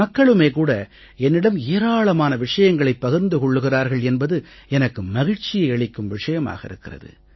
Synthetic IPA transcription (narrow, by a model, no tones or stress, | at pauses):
ɐkːɐɭɯmeːkuːɽɐ | ɛnːɪɽɐmeːɾaːɭɐmaːnɐʋɪʂɐjɐŋɡɐɭɐɪpːɐɣɪɾnd̪ɯkɔɭːɯɣɪraːɾɣɐɭɛnbɐðɯɛnɐkːɯmːɐɣɪɽt͡ʃɪjɐɪɐɭɪkːɯmʋɪʂɐjɐma̰ːɣɐɪ̰ɾɯkːɪrɐ̰ðɯ̰